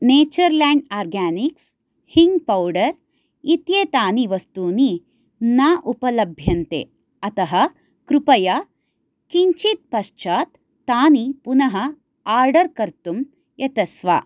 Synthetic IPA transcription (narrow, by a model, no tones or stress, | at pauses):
neːt͡ʃɐɾlaːɳɖaːɾɡaːniks | hiŋɡpɐwɖɐɾ | it̪jeːt̪aːniʋɐst̪uːni | naːʔupɐlɐbʱjɐnt̪ḛː | ɐt̪ɐɦɐ | kɾupɐja | kiɲt͡ʃit̪̚pɐʃt͡ʃaːt̪ː | aːnipunɐɦɐ | aːɾɖɐɾkɐɾt̪um | jɐt̪ɐsʋa̰ː